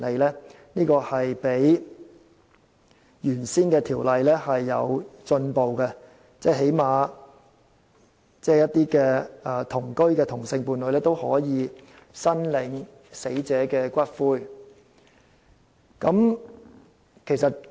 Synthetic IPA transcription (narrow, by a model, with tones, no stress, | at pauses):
le˨jlɛː˥ | niː˥kɔː˧hɐ˨jpe˨˥j | jyː˨˩nsiː˥nkɛː˧t̪ʰiː˨˩wlɐ˨jlɛː˥hɐ˨jːɐ̰˨˧wt͡sɵ˧npo˨wkɛ˧ | t͡sɛː˥˩ɦe˨˥jmaː˨˧ | t͡sɛː˥˩jɐ˥t̪̚iː˥kɛː˧ɛː˧˩t̪ʰʊ˨˩ŋkɵ˥ɥkɛː˧t̪ʰʊ˨˩ŋsɪ˧ŋpuː˨nlɵ˨˧˥lɛː˥t̪o˥whɔ̰ː˨˥jiː˨˧ | sɐ˥nlɪ˨˧˥ŋ | se˨˥jt͡sɛː˨˥kɛː˧kʷɐ˥t̚fuː˥j | kɐ˨˥m | kʰe˨˩jsɐ˨t̚